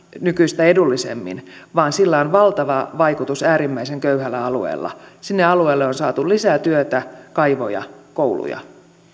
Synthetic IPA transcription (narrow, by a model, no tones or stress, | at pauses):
nykyist̪æedulːisḛmːḭnʋɑːnsilːæonʋɑlt̪ɑʋɑʋɑjkut̪usæːɾimːæiseŋkøyhælːæɑluḛːlːɑ̰sinːeɑlueːlːeonsɑːt̪ulisæt̪yøt̪ækɑiʋojɑ̰kowlṵjɑ̰